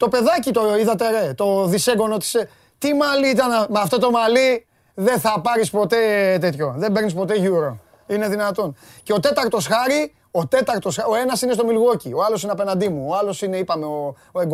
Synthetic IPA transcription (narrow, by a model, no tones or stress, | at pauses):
t̪o̞pe̞ðɐcit̪oiðɐt̪eɾe̞t̪o̞ðise̞ɡo̞not̪i̥se | t̪imɐliit̪ɐnmeɐft̪o̞t̪o̞mɐli | ðe̞nθɐpɐɾispo̞t̪e̞t̪e̞t̪ço̞ðe̞mbe̞ɾnis̬po̞t̪e̞ʝuɾo̞ | ine̞ðinɐt̪o̞nceo̞t̪e̞t̪ɐɾt̪o̞sxɐɾi | o̞t̪e̞t̪ɐɾt̪o̞so̞e̞nɐsinest̪o̞milɣo̞cio̞ɐlo̞sineɐpe̞nɐnd̪imuoɐlo̞sine̞ipɐme̞o | oeɡ